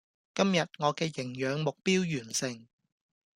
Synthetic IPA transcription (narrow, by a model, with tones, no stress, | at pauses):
kɐ˥mjɐ˨t̚ŋɔː˨˧kɛː˧jɪ˨˩ŋjœː˨˧ŋmʊ˨k̚piː˥wjyː˨˩nsɪ˨˩ŋ